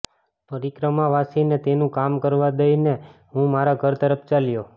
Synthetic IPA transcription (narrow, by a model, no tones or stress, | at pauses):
pəɾikɾəmaʋasinet̪enũkamkəɾʋad̪əineɦũmaɾaɡʱəɾt̪əɾəp̚ʰt͡ʃaljo